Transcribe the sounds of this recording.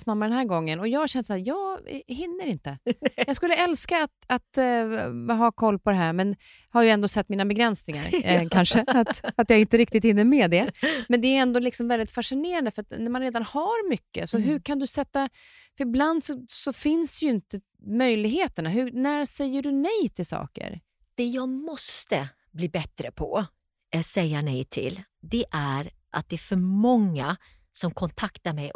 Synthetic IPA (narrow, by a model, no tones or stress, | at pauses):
smamːad̪ɛnɦæːɾɡɔŋːənɔjɑːɡhaɕɛnd̪əsæːɾjɑːɡɦɪnːəɾɪnt̪əjɑːɡskɵlːəɛlskaːt̪at̪ | ɦaːkʰɔlːpɔd̪ɛɦæːɾmɛn | haɾjɵɛnd̪oːsɛt̪ːmiːnabɛɡɾɛnsnɪŋa̰ɾkʰanʂəat̪at̪jaːɪnt̪əɾɪk̚t̪ɪt̪hɪnːəɾmɛd̪ɛmɛnd̪ɛæjɛnd̪oːlɪksɔmvɛld̪ɪt̪faʂɪneːɾand̪əfœɾat̪næɾmanɾeːd̪anhaɾmʏkːə̰sɔɦɵɾkʰand̪ɵsɛt̪ːa | fœɾɪbland̪sɔsɔfɪnsd̪jɵɪnt̪ə | mœjlɪɡɦeːt̪əɳaɦɵnæɾsɛjːəɖɵnɛjt̪ʰɪlsɑ̰ːkə̰ɾ | d̪̥ɛjɑːɡmɔst̪ə | bliːbɛt̪ɾəpʰɔ | ɛsɛjːanɛjt̪ʰɪ̰ld̪ɛʔæɾ | ʔa̰t̪̚d̪ɛæɾfœɾmɔŋːa | sɔmkʰɔnt̪ʰakt̪aɾmɛj